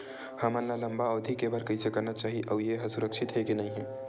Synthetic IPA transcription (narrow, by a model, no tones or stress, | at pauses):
həmə̃nlaləmbaɔːd̪ʱikebəɾkəisekɐɾnat͡ʃaːɦiʔəʋjeɦəsuɾəkʃɪt̪ɦɛkinɐɦĩɦɛː